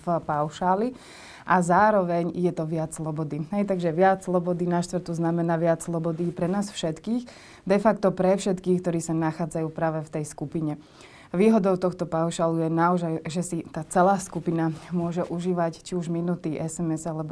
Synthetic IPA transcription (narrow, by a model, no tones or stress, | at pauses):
fpaʊʃaːli | ʔazaːɾɔʋɛɲjɛt̪ɔʋɪat͡sslɔbɔd̪iɦɛjt̪aɡʒɛʋɪat͡sslˠɔbɔd̪inaʃt̪ʋɾt̪uznamɛnaːʋɪat͡sslˠɔbɔd̪ipɾɛnaːsfʃɛt̪kiːx | d̪ɛfakt̪ɔpɾɛfʃɛt̪kiːxkt̪ɔɾiːsanaxaːd͡zajuːpɾaːʋɛft̪ɛjskupiɲɛ | ʋiːɦɔd̪ɔʊt̪ɔxt̪ɔpaʊʃaːlujɛnaɔʒajʒɛsit̪aːt͡sɛlaːskupinamʊɔʒɛʔuʒiːʋact͡ʃiuʒminut̪iːʔɛsɛmɛzalɛbɔ